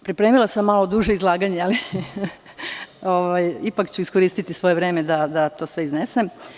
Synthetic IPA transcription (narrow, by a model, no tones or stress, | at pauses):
pɾipɾemilˠasamːalod̪uʒeizlˠaːɡaɲeali | oʋajipakt͡ɕuiskoɾiːst̪it̪isʋo̞jeʋɾe̞ːme̞d̪ad̪at̪o̞ːsʋeiznesem